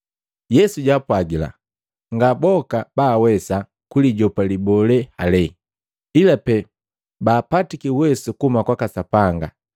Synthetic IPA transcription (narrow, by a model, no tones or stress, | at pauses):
jɛsuɟapwaɡila̰ | ŋɡabɔkabaːwɛsa | kuliɟɔpalibɔlɛhalɛ | ilapɛ | baːpatikiwɛsukumakwakasapaŋɡa